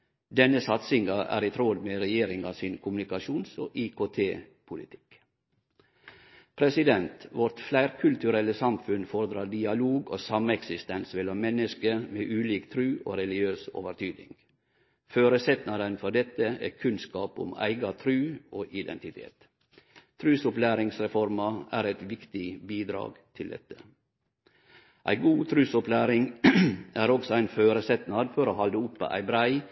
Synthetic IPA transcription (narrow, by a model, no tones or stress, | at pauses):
d̪ɛnəsɑt̪sɪŋɑʔæ̰ːɾɪt̪ʰɾɔd̪meːɾɛjeːɾɪŋɑsiːnkʰʊmnɪkɑʃuːnso̰ːʔɪkʰoːt̪ʰeːpʰʊlɪt̪ʰɪ̥k | pʰɾɛsɪd̪ɛnt̪ʋɔɾt̪flæɪɾkʰʉlt̪ʉɾɛləsɑmfʉnfɔɾəd̪ɾɑɖɪɑloːɡo̰ːsɑməɛksɪst̪ɛnsmɛlɑmmɛnəskəmeːʔʉːliːkt̪ʰɾʉːʔo̰ːɾɛlɪøːso̰ːʋəɾt̪ʰyːd̪nɪ̰ŋ | føːɾəsɛt̪nɑd̪ənfɔɖɛt̪ːəɛ̰kʰʉnskɑːpʊ̰mæ̰ɪɡɑt̪ʰɾʉːoːʔɪd̪ɛ̰nt̪ɪt̪ʰḛːt̪ | t̪ʰɾʉːsʊplæːɾɪŋsɾɛfɔɾmɑæːɾæt̪ʋɪkt̪ɪbiːd̪ɾɑ̰ːɡt̪ʰɪld̪ɛ̰t̪ːə̥ | ʔæ̰ɪɡuːt̪ʰɾʉːsʊplæːɾɪŋ | æːɾɔksɔæɪnføːɾəsɛt̪nɑd̪fɔɾoːhɑld̪əʊpʰːə̰ʔæ̰ɪbɾæɪ